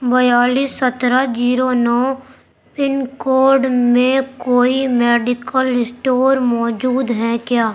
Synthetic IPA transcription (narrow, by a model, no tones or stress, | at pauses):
bəjaːliːsːət̪ɾad͡ʒiːɾonɔː | pɪnkoːɾɖmẽkoːimɛːɖɪkəlɪsʈoːɾmɔːd͡ʒuːd̪ɦɛkjaː